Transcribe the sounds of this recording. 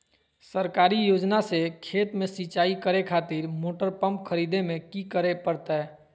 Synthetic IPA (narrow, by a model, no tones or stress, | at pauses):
səɾkaɾijod͡ʒnasekʰet̪mẽsit͡ʃaikəɾekʰat̪iɾmoʈəɾpəmpkʰəɾid̪emẽkikəɾepəɾt̪ɛ